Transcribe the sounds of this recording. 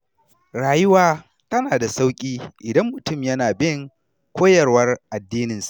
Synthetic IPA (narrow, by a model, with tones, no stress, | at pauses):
ɾaː˨jʊ˦waː˦ | tɐ˦naː˨da˨sa˦wkʲʼiː˦ʔɪ˨dɐ˦mːʊ˨tʊ˦˨mjɐ˦naː˨bɪ˦ŋ | kʷoː˦jɐ˨rwɐ˦rʔa˨dːiː˦nɪ˨nsḁ˨ʔ